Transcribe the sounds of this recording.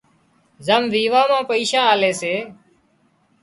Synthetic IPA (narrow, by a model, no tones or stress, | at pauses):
zəmʋiːʋãːmãːpəiːʃãːaːleːseː